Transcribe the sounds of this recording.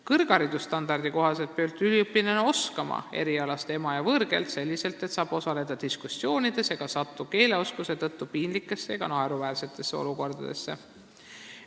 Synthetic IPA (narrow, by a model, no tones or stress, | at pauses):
kɤrɡ̥ɑɾid̪̥ust̪ɑnd̪̥ɑrd̪̥iko̞ɦɑse̞lt̪̚pølt̪ːˑyliɤpːˑineno̞skɑmɑ̰e̞̰ɾiɑlɑst̪e̞mɑjɑvɤɾɡe̞̰lt̪se̞lʲːise̞lt̪ˑe̞t̪sɑːb̥o̞sɑle̞d̪̥ɑd̪̥iskusːjo̞ːnid̪̥e̞seɡ̥ɑsɑt̪ːˑuke̞ːle̞o̞skuse̞t̪ɤt̪ːupiːnlikːˑe̞sːeeɡ̥ɑnɑeɾuvæːrse̞t̪ːˑe̞sːe̞o̞̰luko̞rd̪̥ɑd̪̥e̞̰sːe̞